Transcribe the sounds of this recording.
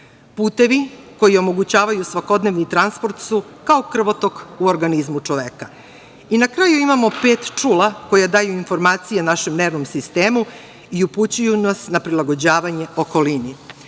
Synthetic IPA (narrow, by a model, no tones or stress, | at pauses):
puːt̪e̞ʋiko̞jio̞mo̞ɡut͡ɕaːʋajusʋako̞d̪ne̞ʋnit̪ɾanspo̞ɾt̪su | kao̞kr̩ʋot̪o̞kuoɾɡanizmut͡ʂo̞ʋeka | inakɾaːjuimamo̞pe̞ːt̪t͡ʂuːlˠako̞jad̪aːjuinfo̞ɾmaːt̪sijenaʃe̞mne̞ːʋnomsist̪e̞ːmu | iuput͡ɕujunasnapɾilˠaɡo̞d͡ʑaːʋaɲe̞o̞ko̞lini